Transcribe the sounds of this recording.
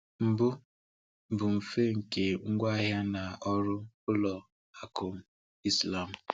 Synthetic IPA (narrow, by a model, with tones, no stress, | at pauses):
m̩˨bʊ˦ | m̩˨bʊ˨m̩˨fe˦ŋ̩˨ke˨ŋ̩˦ɡʷa˦ɦja˦na˨ɔ˦ɾʊ˦ | ʊ˦lɔ˨ | a˨ko˨m̩˨ | i˦sla˦˨m̩˨